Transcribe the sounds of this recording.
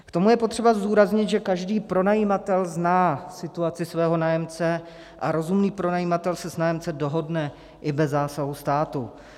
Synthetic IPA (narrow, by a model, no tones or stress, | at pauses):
kt̪o̞mujɛpot̪r̥ɛbazduːɾazɲɪt̪ʒɛkaʒdiːpɾo̞najimat̪ɛlznaːsɪt̪uat͡sɪsvɛːɦo̞naːjɛmt͡sɛ | ʔaɾo̞zumniːpɾo̞najiːmat̪ɛlsɛsnaːjɛmt͡sɛdo̞ɦo̞dnɛ | ʔɪbɛzːaːsaɦust̪aːt̪u